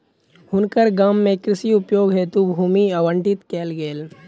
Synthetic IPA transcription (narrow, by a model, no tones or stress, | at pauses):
hʊnkəɾɡaːmːẽkɾɪsiʊpjoːɡɦet̪ubʱuːmiɐʋəɳʈɪt̪keːlɡeːl